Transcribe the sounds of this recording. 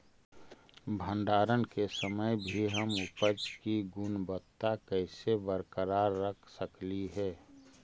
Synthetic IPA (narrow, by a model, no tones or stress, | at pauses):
bʱə̃ɳɖaːɾənkesəməjbʱiɦəmʊpəd͡ʒkiɡʊnbət̪ːakɛɪsebəɾkəɾaːɾːəkʰsəkliɦɛː